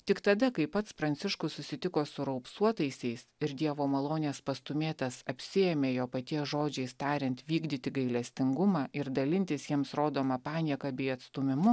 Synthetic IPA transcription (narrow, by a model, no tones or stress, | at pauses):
t̪ʲɪkt̪ɐd̪ɐkɐɪpɐt̪spɾɐnʲt̪sʲɪʃkʊssʊsʲɪt̪ʲɪkoːsʊɾɐʊpsuɔt̪ɐɪsʲɛɪsɪɾd̪ʲiɛʋoːmɐlˠoːnʲeːspɐst̪ʊmʲeːt̪ɐsɐpʲsʲɪɛmʲeːjoːpɐt̪ʲiɛsʒoːd͡ʒʲɛɪst̪ɑːɾʲɛnt̪ʋʲiːɡd̪ʲɪt̪ʲɪɡɐɪlʲɛsʲt̪ʲɪŋɡʊmɑːʔɪɾd̪ɐlʲɪnʲt̪ʲɪsjiɛmsɾoːd̪oːmɐpɑːnʲiɛkɐbʲɛːɪɐt̪st̪ʊmʲɪmʊ